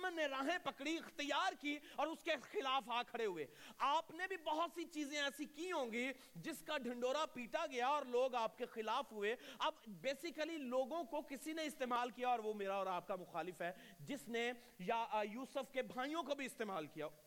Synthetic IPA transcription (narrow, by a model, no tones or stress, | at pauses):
mənːeɾãːɦẽpɐkɽiɪxt̪ɪjaːɾkiɔːɾʊskexɪlaːfaːkʰɐɽeɦʊḛːaːpnebʱibɐɦʊt̪sit͡ʃiːzẽɛːsikiɦõːŋ̆ɡi | d͡ʒɪskaɖʱɐ̃ɳɖoːɾapiːʈaɡɐjaɔːɾloːɡaːp̚kexɪlaːfɦʊeɐbbeːsɪkəliloːɡõkokɪsineɪst̪eːmaːlkijaɔːɾʋomeːɾaɔːɾaːp̚kamʊxaːlɪfɦɛː | d͡ʒɪsne | jajuːsəfkebʱaːijõkobʱiɪst̪eːmaːlkija